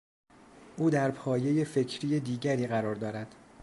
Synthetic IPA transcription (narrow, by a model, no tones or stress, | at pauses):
ʔuːd̪æɾpʰɒːje̞je̞fe̞cʰɾiːjed̪iːɟæɾiːɣæɾɒːɾd̪ɒːɾæd̪̥